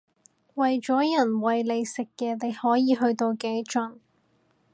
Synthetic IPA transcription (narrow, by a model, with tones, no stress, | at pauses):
wɐ˨jt͡ʃɔː˨˥jɐ˨˩nwɐ˨jle˨˧jsɪ˨kːɛː˧ne˨˧jhɔː˨˥jiː˨˧ɦɵ˧ɥt̪o˧wke˨˥jt͡ʃɐ˨n